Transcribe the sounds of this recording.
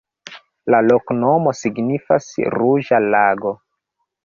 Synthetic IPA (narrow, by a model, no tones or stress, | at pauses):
lalokno̞mo̞siɡnifasɾuʒalaɡo̞